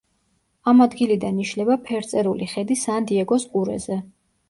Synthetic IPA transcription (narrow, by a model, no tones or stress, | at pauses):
amad̪ɡilid̪aniʃlɛbapʰɛɾt̪sʼɛɾuliχɛd̪isand̪iɛɡɔsqʼuɾɛ̰zɛ